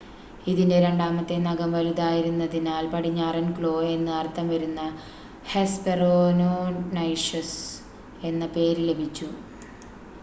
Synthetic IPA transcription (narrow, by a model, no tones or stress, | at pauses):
iðinde̞ɾe̞ɳɖaːmɐt̪ːe̞nɐɡɐmʋɐlud̪aːjiɾunːɐðinaːlpɐʈiɲːɐːrɐnkɭo̞ːe̞nːɨɐrt̪ʰːɐmʋɐɾunːɐ | hesperoːnonɐjʂɐs | e̞nːɐpe̞ːɾile̞bʱit͡ɕːu